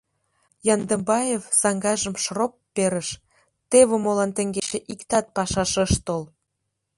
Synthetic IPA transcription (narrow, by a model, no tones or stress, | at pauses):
jɑnd̪əmbɑjevsɑŋɡɑʒə̆mʃropːeɾə̆ʃ | t̪eβə̆molɑnt̪ə̆ŋɡet͡ɕĕʔikt̪ɑt̪̚pɑʃɑʃɤ̆ʃt̪ol